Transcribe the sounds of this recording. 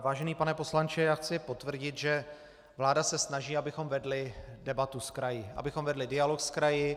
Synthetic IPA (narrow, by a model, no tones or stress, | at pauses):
vaːʒɛniːpanɛpo̞slant͡ʃɪjaːxt͡sɪpo̞t̪vr̩ɟɪt̪ʒɛ | vlaːdasɛsnaʒiːabɪxo̞mvɛdlɪdɛbat̪uskɾajɪʔa̰bɪxomvɛdlɪdɪalokskɾajɪ